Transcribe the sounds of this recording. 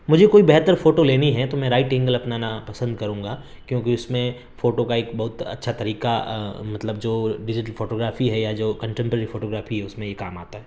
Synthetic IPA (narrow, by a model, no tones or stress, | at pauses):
mʊd͡ʒʱekoːibɛɦt̪əɾfoːʈoleːniɦɛt̪omɛ̃ɾaːɪʈɪ̃ŋɡəlɐpnanapɐsə̃nd̪kɐɾũːŋɡaː | kjõːkiʊsmẽ | foːʈokaeːkbɐɦʊt̪ɐ̰tːʃʰat̪ɐɾiːkamɐt̪ləbd͡ʒoːɖɪd͡ʒɪʈəlfoːʈoːɡɾaːfiɦɛjad͡ʒoːkɐ̃ɳʈẽmpəɾəɾifoːʈoːɡɾaːfiɦɛʊsmẽjekaːma̰ːt̪aɦɛː